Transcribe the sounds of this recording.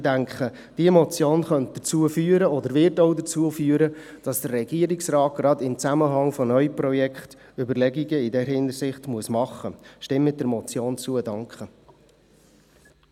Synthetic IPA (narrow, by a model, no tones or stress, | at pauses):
dæŋkχə | d̥iəmɔt͡sjoːnχœnt̚d̥̪ət͡suəfyːəɾəɔdəɾvɪɾtoʊdət͡suəfyːəɾə | d̥ɑsd̥ərːɛɡ̥iəɾiksɾɑːt̚ɡ̥ɾɑdɪmt͡sæməɦɑŋfɔnœʏpɾɔjɛkχt | ʏbəɾlɛɡiɡəɪdɛɾɦɪndəɾsɪχtmuəsmɑχːəʃtɪmːət̚dɛɾmɔt͡sjoːnt͡suədɑŋkχə